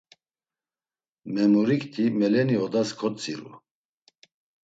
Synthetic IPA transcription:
mɛmuɾikt̪ʰimɛlɛniɔd̪askʰɔt͡sʼiɾṵ

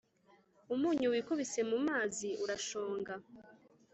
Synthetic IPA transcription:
umuːɲuwiːkuβise̞mumaːziʔuɾaʃo̞ːŋɡa

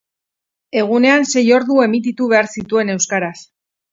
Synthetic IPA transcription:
e̞ɣ̞une̞anse̞jo̞ɾðue̞mit̪̬it̪uβe̞aɾsit̪ue̞ne̞wskaɾas

